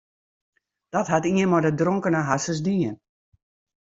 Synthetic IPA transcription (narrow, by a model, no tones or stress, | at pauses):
d̥ɔtɦatiənmɔdədrɔŋkənəɦasəs̬diən